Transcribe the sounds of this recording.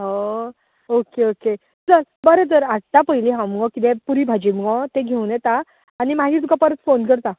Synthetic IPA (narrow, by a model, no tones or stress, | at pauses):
ɦo | okeoke | d͡zəɾbəɾət̪əɾaɽ̚t̪apəɦiliɦãmɡɔ̃kit̪ẽpuɾibʱad͡ʑimɡɔ̃t̪ẽɡʱewnjɛt̪aː | ñimaɦit̪ukapəɾət̪fonk̬əɾt̪a